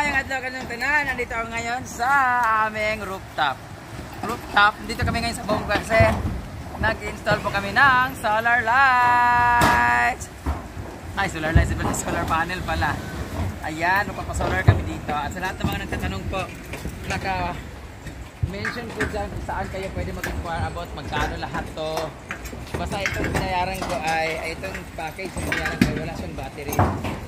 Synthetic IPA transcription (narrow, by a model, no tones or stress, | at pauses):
ajɐŋɐd̪lokɐnnɐŋt̪ɐnanɐnd̪iːt̪oʔɐkoŋɐjo̞nsɐʔaːmɪŋɾup̚t̪ap̚ | ɾup̚t̪ap̪̚d̪iːt̪okɐmɪŋɐjonsɐbʊʔʊŋkɐkɐsɛ | nɐɡʔɪnst̪olpokɐmɪnɐŋsolɐɹla | js | hajsolɐɹlaj̪sɐbɛlɐsolɐɹpaːnɛlpɐlaʔɐjanmɐɡ̚papɐsoːlɐɹkɐmɪd̪iːt̪o̞ʔɐt̪sɐlɐhat̪nɐmɐŋɐnɐɡt̪aːt̪ɐnoŋpo̞ʔ | nɐkɐ | mɛnʃonpʊd͡ʒanksɐʔankɐjopwɛːd̪ɛmɐɡ̚pɪkʊaɹʔɐbo̞t̪̚mɐɡ̚kaːnolɐɦat̪ːo | bast̪ɐʔɛt̪oŋbɪnɐjaːɾɐnko̞ʔɐjɐjɛt̪oŋbaːkɐjsɪmʊlaʔɐnkɐjwɐlaʔʃaŋbaːt̪ɪɾɪ